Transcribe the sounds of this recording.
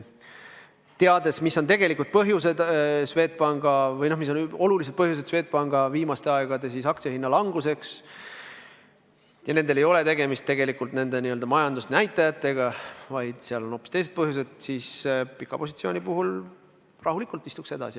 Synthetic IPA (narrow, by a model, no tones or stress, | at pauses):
t̪eɑd̪e̞smisːo̞nt̪e̞ɡ̥e̞likːˑult̪̚pɤɦjuse̞d̪̥sve̞ːt̪̚pɑŋɡ̥ɑvɤjno̞hmis̬ːo̞no̞lulis̬ed̪̚pɤɦjused̪̥sve̞ːt̪̚pɑŋɡ̥ɑviːmɑst̪e̞ɑeɡ̥ɑd̪e̞sisɑk̚tsehinːɑlɑŋɡ̥use̞ks | jɑne̞nd̪e̞le̞jo̞le̞t̪e̞ɡemist̪ːe̞ɡ̥e̞likːˑult̪ne̞nd̪e̞niø̞ld̪ɑmɑjɑnd̪usnæjt̪ːˑɑjɑt̪ːˑe̞ɡ̥ɑvɑjd̪̥seɑlo̞no̞pːˑi̥st̪e̞jse̞d̪̚pɤɦjus̬e̞d̪̥siːspikːˑɑ̰po̞sʲit̪sio̞ːnʲipuɦul | rɑɦulikˑult̪ːist̪ukse̞d̪ɑ̰si